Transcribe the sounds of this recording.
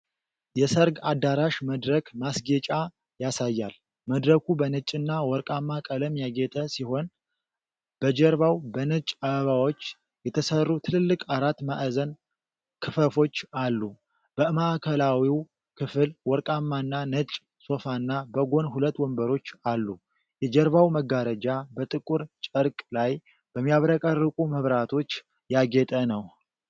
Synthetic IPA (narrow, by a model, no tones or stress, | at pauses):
jɛsəɾɡad̪ːaɾaʃməd̪ɾəkʰmasɡet͡ʃʼa | jasajːal | məd̪ɾəkʰubənɨt͡ʃʼːɨnːawɔɾkʼamːakʼələmjaɡet̪ʰʼəsiho̞n | b̥əd͡ʒəɾβawbənɨt͡ʃʼaβəβawo̞t͡ʃː | jɛt̪ʰəsərːut̪ʰɨlɨlːɨkʼʰaɾat̪ma̰ʔzən | kʰɨfəfo̞t͡ʃːalːu | b̥əmaʔkʰəlawiw | kʰɨfɨlwɔɾkʼamːanːanət͡ʃʼ | so̞fanːabəɡo̞nhulət̪ːwɔmbəɾo̞t͡ʃːalːu | jɛd͡ʒəɾβawməɡaɾəd͡ʒabət̪ʼɨkʼuɾt͡ʃʼəɾkʼlaj | b̥əmːijaβɾəkʼərːɨkʼuməβɾat̪ʰo̞t͡ʃː | jaɡɛt̪ʼənəw